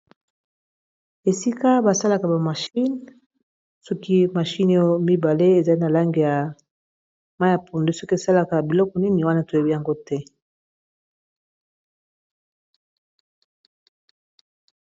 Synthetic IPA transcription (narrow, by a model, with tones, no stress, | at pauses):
e˨si˦ka˦ba˨sa˦la˨ka˨ba˨ma˨ʃi˦n | sɔ˦ki˦ma˨ʃi˦no˦mi˦ba˨le˦e˨za˨˦i˦na˨la˦ŋɡe˨ja˨ | ma˦ja˨pʰo˨nde˦sɔ˦ki˦e˨sa˦la˨ka˨bi˨lɔ˦kɔ˨ni˦ni˨wa˦na˦to˨jo˨bi˦ja˨ŋɡo˦tɛ˦